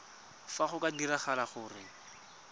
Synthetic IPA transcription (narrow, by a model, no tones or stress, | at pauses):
faχʊkʼadiraχalaχʊːrɪŋ̩